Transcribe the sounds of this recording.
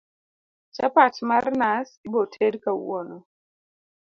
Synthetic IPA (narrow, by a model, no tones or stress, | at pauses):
t͡ʃapatmaɾnasibɔtʰedkaṵɔnɔ